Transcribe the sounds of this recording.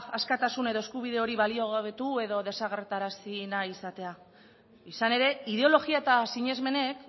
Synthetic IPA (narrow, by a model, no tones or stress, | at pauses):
askat̪asune̞ðo̞e̞skuβ̞ið̞e̞o̞ɾiβalio̞ɣaβet̪ue̞ðo̞ðe̞saɣ̞e̞ɾt̪aɾasinaisat̪e̞a | isane̞ɾe̞iðe̞o̞lo̞ɣiae̞t̪asiɲe̞zme̞ne̞k